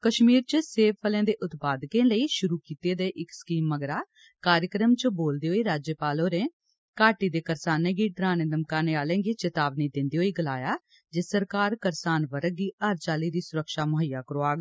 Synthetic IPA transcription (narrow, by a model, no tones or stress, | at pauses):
kəʃmiːɾt͡ʃəseːʋpʰəlẽːd̪eːʔʊt̪paːd̪kẽːləiːʃʊɾuːkiːt̪eːd̪eːʔɪkskiːmːəɡɾaː | kaːɾjəkɾəmt͡ʃboːld̪eːɦoːiːɾaːd͡ʒjəpaːloːɾẽː | kaːʈiːd̪eːkəɾsaːnẽːɡiːɖɾaːneːd̪əmkaːneːaːlẽːɡeːt͡ʃət̪aːbniːd̪ɪnd̪eːɦoːiːɡəlaːjaː | d͡ʒesəɾkaːɾkəɾsaːnʋəɾəɡiːʔaːɾt͡ʃaːliːd̪iːsʊɾəkʃaːmʊɦəjːaːkəɾoːaːɡ